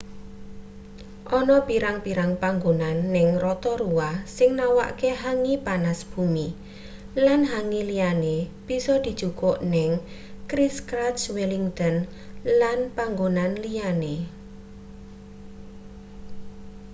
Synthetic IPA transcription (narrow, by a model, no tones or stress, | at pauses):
ʔɔnɔpiɾaŋpiɾaŋpaŋɡonanːɪŋrɔt̪ɔɾuwasɪŋnawa̰ʔkeɦaŋipanasb̥umi | lanɦaŋilijaneb̥isɔd̪̥i̤d̥ʒ̥ukɔʔnɪŋ | kɾiskɾat͡ʃweliŋt̪ɔn | lanpaŋɡonanlijane